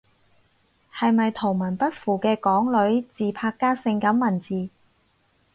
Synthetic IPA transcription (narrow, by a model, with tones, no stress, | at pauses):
hɐ˨jmɐ˨jt̪ʰo˨˩mɐ˨˩npɐ˥t̚fuː˨˩kɛː˧kɔː˨˥ŋlɵ˨˥ɥt͡siː˨pʰaː˧kːaː˥sɪ˧ŋkɐ˨˥mːɐ˨˩nt͡siː˨˩